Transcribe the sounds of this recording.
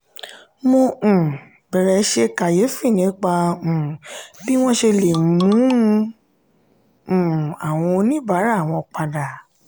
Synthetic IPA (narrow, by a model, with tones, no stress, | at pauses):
mũ˧˨ | bɛ˨ɾɛ˨˦ʃe˧ka˨je˨˦fi˦˨nĩ˨˦k͡pa˧ũ˨bi˦w̃ɔ̃˦ʃe˧le˨mũ˨˦˧ | ũ˨a˨w̃ɔ̃˧nĩ˦ba˨˦ɾa˦˨w̃ɔ̃˧k͡pa˧da˨